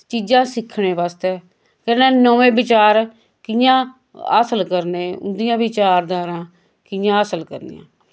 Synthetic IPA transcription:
t͡ʃiːd͡ʒãːsɪkʰːɳeːʋaːst̪ɛː | kɛnɛːnoːʋẽːbɪt͡ʃaːɾ | kɪjãː | ə̰ːsəlkəɾneːʊ̰nd̪ɪjãːbɪt͡ʃaːɾd̪aːɾãː | kɪjãːəsəlkə̰ɾnḭjã̰ː

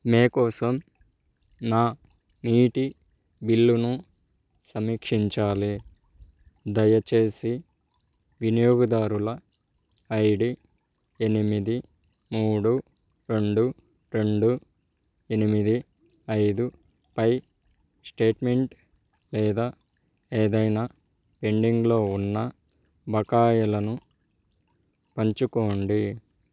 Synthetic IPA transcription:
meːkɔːsɐm | naː | niːʈi | bilːunu | sɐmiːkʂiɲt͡ʃaːli | d̪ɐjɐt͡ʃe̞ːsi | ʋinijoːɡɐd̪aːɾulɐː | jɖi | e̞nimid̪i | muːɽu | ɾe̞ɳɖu | ɾe̞ɳɖu | e̞nimid̪i | ɐjd̪u | pɐj | sʈe̞ːʈme̞ɳʈ | lɛːd̪aː | eːd̪ɐjnaː | pe̞ɳɖiŋɡlo̞ːunːɐ | bɐkaːjɐlɐnu | pɐɲt͡ʃuko̞ːɳɖi

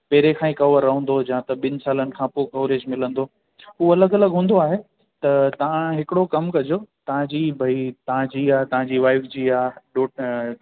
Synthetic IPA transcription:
peːɾekʰãːĩkɐʋəɾːɐɦə̃nd̪od͡ʑãːt̪ɐɓɪnɪ̆saːlənɪ̆kʰãːpokɐʋɾeːd͡ʑmɪlə̃nd̪oː | ɦuːɐləɡɐləɡɦũːnd̪oaːɦe | t̪ɐt̪ɐʋ̤ãɦɪkɪɽokɐmkɐd͡ʑot̪ɐʋ̤ãd͡ʑiːbʱɐit̪ɐʋ̤ãd͡ʑiːaːt̪ɐʋ̤ãɲd͡ʑiːʋaːɪfd͡ʑiːaːɗoː

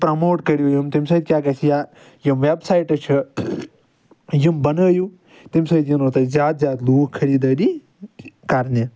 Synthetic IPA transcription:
pɾɐmoːʈkɐɾjujimt̪imsɐːd̪̚kʲjaːkɐt͡ʃʰijaː | jimʋebsaːjʈɐt͡ʃʰi | jimbɐnəːju | t̪imsɐːd̪jinoːt̪ɐzʲjaːd̪zʲjaːd̪luːkkʰːɐɾiːd̪aːɾi | kaɾne

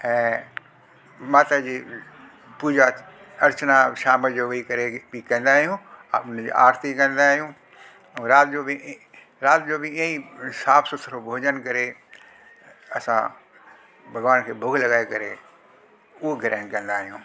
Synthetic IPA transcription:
ɛ̃ː | maːt̪ad͡ʑi | puːd͡ʒa | ɐɾt͡ʃnaʃaːməd͡ʒoʋɐikɐɾebikɐ̃ːnd̪aːɦijũaʊnd͡ʑḭʔa̰ːɾt̪ikɐ̃nd̪aːɦijũ | ɾaːt̪̚d͡ʒobi | ɾaːt̪d͡ʒobiə̃isaːfʰsot̪ʰəɾʰobʱoːd͡ʒənkɐɾe | ɐsã̰ | bʱɐɡʋaːnkʰeːbʱʊɡʱlɐɡaːekɐɾe | uɡʱɐɾɛ̃ːnkɐ̃nd̪aːɦijũː

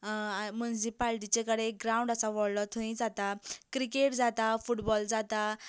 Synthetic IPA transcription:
munisipalʈ̬it͡ɕekəɽeɡɾaũɳɖəsaʋɔɽlɔt̪ʰoĩd͡zat̪akɾikeʈd͡zat̪afuʈbɔld͡zat̪a

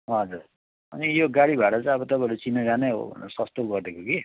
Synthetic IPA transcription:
ɦʌd͡zur | ʌ̰nijoɡaɽibʱaʈʌt͡sʌ̃ʌbʌt̪ʌpãɦeɾut͡sinːʌd͡zaneɦo̰ʌ̰nsʌst̪oɡʌrd̪ekoɡi

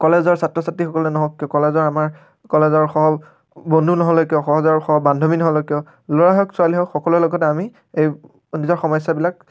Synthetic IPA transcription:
kɔlezɔɹsatɹɔsatɹixɔkɔlɛnɔɦɔkːiɔkɔlezɔɹamaɹ | kɔlezɔɹxɔɦɔb | bɔndʱunɔɦɔlɛkiɔxɔɦɔzɔɹxɔɦɔbandʱominɔɦɔlɔkiɔ | lɔɹaɦɔksualiɦɔxɔkɔlulɔɡɔt̬ɛami | ej | nizɔɹxɔmɔjsabilak

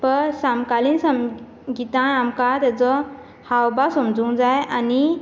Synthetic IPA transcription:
pəɾsamkaliːnsəm | ɡit̪ãamkat̪jat͡sɔ | hawbasəmd͡zũːd͡zajani

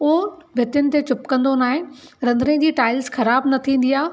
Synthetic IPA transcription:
ʊɦoʋʱɪt̪jʊnɪ̆t̪et͡ɕʊpkɐ̃nd̪onaːɦɪ̃ɾɐ̃nd̪ɾẽd͡ʑiːʈaːɪlzxɐɾaːbnɐt̪ʰĩːn̆d̪iaː

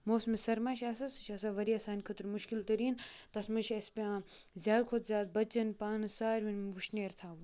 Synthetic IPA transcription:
moːsmesɐɾmaʃaːs̬ɐsɨʃasaːʋɐɾiɐsaːnʲkʰɐt̪ɾmuʃkilt̪ɐɾiːnt̪ɐsmɨʃɐspʲãːzʲjaːd̪kʰot̪zʲjaːd̪̚bɐt͡ʃɐnpaːnɨsaːɾʲʋinʋuʃneːɾt̪ʰaːʋu

